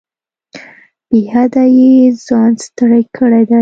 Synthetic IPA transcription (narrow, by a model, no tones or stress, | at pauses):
bihad̪ajezɑnst̪əɽajkʰəɽed̪a